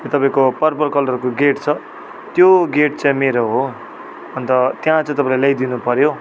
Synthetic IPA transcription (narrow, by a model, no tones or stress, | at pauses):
jot̪ʌpaĩkopʌrpʌrkʌlʈʌrkoɡeʈt͡sʰʌ | t̪joɡeʈ̚t͡saj̃meɾoɦo | ʌnt̪ʌt̪jãt͡sʌ̃t̪ʌpaĩlalajd̪inupʌɾjo